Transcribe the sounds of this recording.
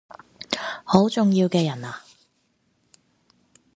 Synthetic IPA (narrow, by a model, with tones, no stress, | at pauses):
ho˨˥wt͡sʊ˨ŋjiː˧wkɛː˧jɐ˨˩naː˨